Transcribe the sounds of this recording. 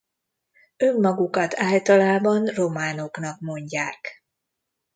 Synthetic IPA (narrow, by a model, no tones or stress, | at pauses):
ømːɒɡukɒt̪ʰaːlt̪ɒlaːbɒnro̞maːno̞knɒkmo̞ɲɟaːk